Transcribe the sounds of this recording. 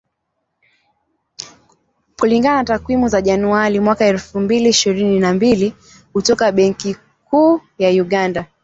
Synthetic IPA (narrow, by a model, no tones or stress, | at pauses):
kuliŋɡanatakwimuzaʄanuaɾimwakaɛlfumbiliiʃiɾininambili | kutɔkaɓɛŋki | kuːjauɠanda